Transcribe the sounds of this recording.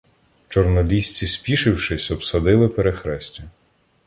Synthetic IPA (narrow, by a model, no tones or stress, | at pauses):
t͡ʃɔrnɔlʲisʲt͡sʲisʲpʲiʃɪwʃɪsʲɔpsɐd̪ɪlˠɪpeɾexɾɛsʲtʲʊ